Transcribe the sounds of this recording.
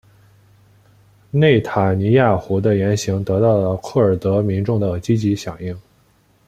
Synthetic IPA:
ne˥˩ɪt̪ʰa˨˩ni˧˥ja˥˩xu˧˥d̪ə˧jɛ˧˥nɕi˧˥ŋt̪ɤ˧˥t̪ɑ˥˩ʊlə˩kʰɤ˥˩ə˞˨˩t̪ɤ˧˥mi˧˥nʈ͡ʂʊ˥˩ŋd̪ə˩t͡ɕi˥t͡ɕi˧˥ɕjɑ˨˩˦ŋi˥˩ŋ

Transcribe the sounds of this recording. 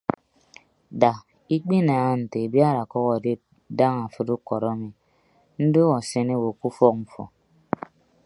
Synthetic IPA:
da˨ | i˦k͡pi˦na˨a˦n̩˨te˨bja˦ɾa˨kɔ˦kɔ˨de˦ | da˦ŋa˨fɨ˦tu˦kɔ˨ɾɔ˦mi˨ | n̩˦do˦ɔ˨se˦ne˦wo˨ku˦fɔ˦k̚m̩˨fɔ̰˨

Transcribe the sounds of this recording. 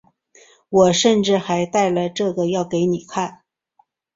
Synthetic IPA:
wɔ˨˩ʂə˥˧nʈ͡ʂɻ̩˥˩xa˧˥ɪt̪a˥˩ɪlə˩ʈ͡ʂɤ˥˩ɡə˩jɑ˥˩ʊke˧˥ɪni˨˩kʰa˥˩n

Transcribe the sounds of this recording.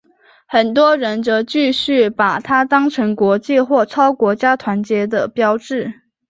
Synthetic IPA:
xə˨˩nt̪̬wɔ˥ɻə˧˥nt͡sɤ˧˥t͡ɕy˥˧ɕy˥˩pa˨˩t̪ʰa˥t̪ɑ˥ŋʈ͡ʂʰɤ˧˥ŋkwɔ˧˥t͡ɕi˥˧xwɔ˥˩ʈ͡ʂʰɑ˥ʊkwɔ˧˥t͡ɕja˥t̪ʰwa˧˥nt͡ɕjɛ˧˥d̪ə˨pjɑ˥ʊʈ͡ʂɻ̩˥˩

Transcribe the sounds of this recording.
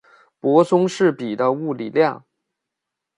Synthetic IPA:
pwɔ˧˥sʊ˥ŋʂɻ̩˥˩pi˨˩d̪ə˦u˥˩li˨˩ljɑ˥˩ŋ

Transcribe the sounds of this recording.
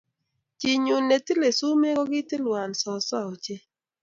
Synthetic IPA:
t͡ʃi˨ɲu˨nːe˨ti˦le˨su˦me˦ɡɔ˦ɡɪ˦tɪ˦lwa˨nsɔ˨sɔ˦ɔ˨t͡ʃe˦

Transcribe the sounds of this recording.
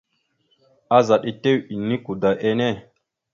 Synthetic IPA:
a˦za˨ɗi˦te˦wi˨nːi˦ku˨da˨ʔe˦ne˦˨

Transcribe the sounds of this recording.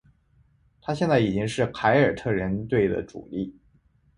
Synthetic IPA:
t̪ʰa˥ɕjɛ˥˧nt͡sa˥˩ɪi˨˩t͡ɕi˥ŋʂɻ̩˥˩kʰa˧˥ɪə˞˨˩t̪ʰɤ˥˩ɻə˧˥nt̪we˥˩ɪd̪ə̰˩ʈ͡ʂṵ˨˩li˥˩

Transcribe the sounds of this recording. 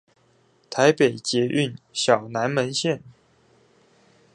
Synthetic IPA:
t̪ʰa˧˥ɪpe˨˩ɪt͡ɕjɛ˧˥ʔy˥˩nɕjɑ˨˩ʊna˧˥nmə˧˥nɕjɛ˥˨n

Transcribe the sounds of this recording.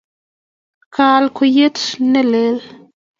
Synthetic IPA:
kaː˧lko˧je˦ʈ͡ʂne˦le˨˦l

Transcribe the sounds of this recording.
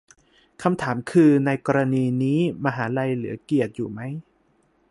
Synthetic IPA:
kʰa˧mt̪ʰaː˩˦mkʰɯː˧na˧jkɔː˧ɾa˧niː˧niː˦˥maː˧ɦaː˩˦ɾa˧jlɯ˩˦ki˨˩ət̪̚jṵː˨˩ma˦˥j

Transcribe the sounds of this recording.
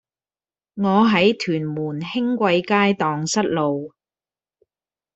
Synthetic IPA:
ŋɔː˨˧ɦɐ˨˥jt̪ʰyː˨˩nmuː˨˩nhɪ˥ŋkʷɐ˧jkaː˥jt̪ɔː˨ŋsɐ˥t̚lo˨w

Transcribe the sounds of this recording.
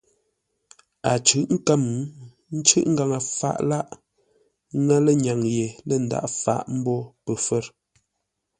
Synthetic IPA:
a˨t͡ʃʉ˨˦ʔŋ̩˦ka˦m˨˦ | n̩˦t͡ʃʉ˦ʔŋ̩˦ɡa˨ŋə˨fa̰˦ʔla˦ʔ | ŋa˦lə˦ɲa˨ŋje˨lə˦˨n̩˨da̰˦˨ʔfa̰˦˨ʔm̩˦bɔ˦pə˨fə˦ɾ

